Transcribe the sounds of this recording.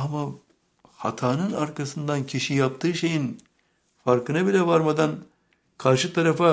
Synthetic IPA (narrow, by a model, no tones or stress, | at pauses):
ama | ha̰t̪ʰaːnɯnaɾkasɯnd̪ankʲʰiʃijap̚t̪ɯːʃejin | faɾkɯnɯbilɛʋaɾmɐd̪an | kʰaɾʃɯt̪ʰɐɾɐfa